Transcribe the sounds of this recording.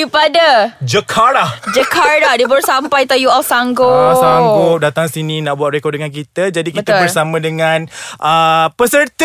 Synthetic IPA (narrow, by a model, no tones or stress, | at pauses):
ipadad͡ʒəkʰaɾahd͡ʒəkʰarlahdibəɾsampajt̪ajuɔlsaŋɡosaŋɡodat̪aŋsinĩnãʔbuat̪̚rekɔdəŋank̬it̪əd͡ʒadikit̪əbərsamə̃dəŋãnʔəpəsərt̪